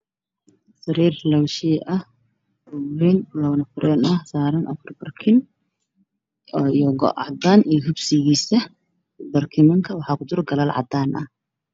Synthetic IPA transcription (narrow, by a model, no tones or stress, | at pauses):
sɐɾiːrlɐwʃiːʔɐh | uɾinlɐwnɐfʊɾʔɛːnɐhsaːɾɐnʔɐ̰fɐrbɐrkʰɪn | jɔɡɔ̰ʕɑ̰d̪aːnʔijɦʊbsɪɣiːsɐ | bɐrkʰɪmɐŋkʰɐwɑħɑːkʰʊd̪ʊrɡɐlaːlʕɑ̰d̪aːnʔɐ̰h